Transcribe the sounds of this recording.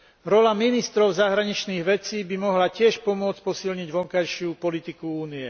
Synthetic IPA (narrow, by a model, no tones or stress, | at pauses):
ɾɔlaminist̪ɾɔʊzaɦɾaɲit͡ʃniːɣʋɛt͡siːbimɔɦlacɪɛʃpɔmʊɔt͡s̚pɔsilɲiɟʋɔŋkajʃɪupɔlit̪ikuuːniɛ